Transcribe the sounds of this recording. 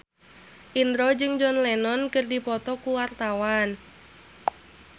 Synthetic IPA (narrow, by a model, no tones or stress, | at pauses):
ʔind̪ɾɔd͡ʒɨŋd͡ʒɔnlɛnɔnkɨrdipɔt̪ɔkuwart̪awan